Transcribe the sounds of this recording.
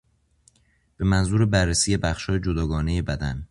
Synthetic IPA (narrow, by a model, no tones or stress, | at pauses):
b̥e̞mænzuːɾebærːesiːje̞bæxʃhɒːjed͡ʒod̪ɒːɡɒːneje̞bæd̪æn